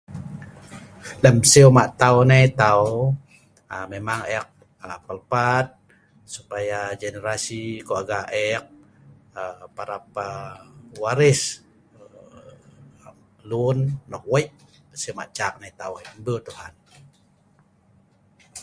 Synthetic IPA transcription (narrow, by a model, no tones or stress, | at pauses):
ləmsiomaʔt̪awnejt̪aw | amemaŋɛk̚ | apəlpat̪̚ | supajad͡ʒenəɾasikoaɡaʔɛk̚ | paɾapa | waɾɪs | lunːɔk̚waʔ | sioma̰ʔt͡ʃak̚najt̪awmbət̪uhan